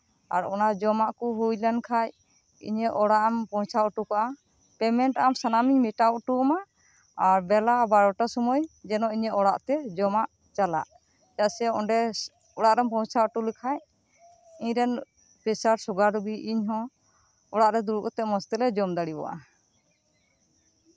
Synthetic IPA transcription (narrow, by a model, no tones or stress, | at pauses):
a̰ɾɔnad͡ʒɔmaʔkɔɦujlankʰaj | ḭɲɛʔɔɽaʔampɔ̃wt͡ʃʰauʈukɔʔa | pɛmɛɳʈamsanamiɲmiʈaʈuɔma | aɾbɛlabaɽɔʈasɔmɔjd͡ʒɛnɔiɲɛɔɽaʔt̪ɛd͡ʒɔmaʔ | t͡ʃala̰ʔ | d͡ʒasɛɔɳɖɛ | ɔɽaʔɾɛmpɔ̃t͡ʃʰaɔʈulikʰaj | iɲɾɛn | pɛsaɾsɔɡaɾubiʔiɲɦɔ̃ | ɔɽaʔɾɛd̪uɾukɔt̪ɛmɔst̪ɛlɛd͡ʒɔmd̪aɽibɔ̰ʔa̰